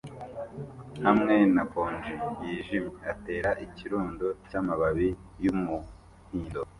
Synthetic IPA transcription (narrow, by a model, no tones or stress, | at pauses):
hamŋe̞nakoːnd͡ʒijiːʒimeate̞ːɾaʔiciɾuːndocamaβaβijumu | hiːndo